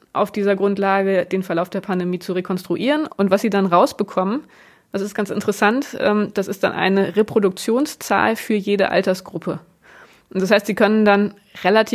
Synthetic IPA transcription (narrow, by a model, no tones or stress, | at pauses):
ʔa̰ʊfd̥iːzɐɡʁʊntlaːɡəd̥eːnfɛɐlaʊfd̥eːɐpʰandemiːt͡suʁekʰɔnstʁ̥uʔiːʁənʊntv̥asz̥iːdanʁaʊsb̥əkʰɔmən | d̥asɪstɡ̥ant͡ssɪ̰ntəʁəsantʔɛ̰ːmd̥asɪstd̥a̰nʔa̰ɪnəʁepʁ̥odʊk̚t͡sjoːnst͡sa̰ːlfyːɐjeːdə̰ʔa̰ltɐsɡ̥ʁʊpʰə | ʔnd̥ashaɪstz̥iːkʰœnəndan | ʁelatʰiː